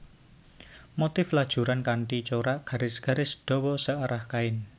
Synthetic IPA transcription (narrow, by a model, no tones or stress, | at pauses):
mot̪ɪflad̥ʒ̥ṳɾankaɳʈit͡ʃoɾaʔɡ̥a̤ɾɪsɡ̥ä̤ɾɪsd̥ɔ̤wɔsəaɾahkaɪn